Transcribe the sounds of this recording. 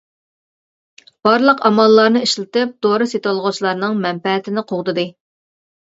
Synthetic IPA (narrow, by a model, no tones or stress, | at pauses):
b̥ɑɾlˠəqɑmɑlˠːɑɾnɨiʃlɪt̪ɨp̚d̪̥oɾɨset̪olˠʁʊt͡ʃʰilˠɑɾnɨŋmɛmpɛɦɛt̪ʰɪnɪqʰoʁd̪ɨd̪ɨ